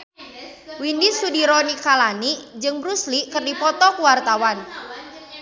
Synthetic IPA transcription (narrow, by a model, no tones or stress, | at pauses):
windisudiɾɔnikalanid͡ʒɨŋbɾusliʔkɨrdipɔt̪ɔkuwart̪awan